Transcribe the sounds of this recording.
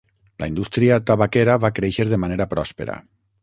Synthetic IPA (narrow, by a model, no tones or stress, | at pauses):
lʔa̰ind̪ust̪ɾiat̪aβakeɾaβakɾeʃeɾðemaneɾapɾɔspḛɾa̰